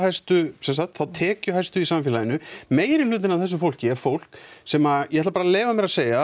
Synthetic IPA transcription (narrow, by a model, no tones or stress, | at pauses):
hajst̪ʏsɛns̬axt̪θaðt̪ʰɛːcʏɦajst̪ʏisamfɪːlaðɪnːʏmeːjɾɪlʏːt̪̬ɪnavθɛs̬ːʏfowl̥cɪɛɾ̥fowl̥ksɛmajɛhɛt̪lapaːɾaleːvamɛɾaðseːjɣa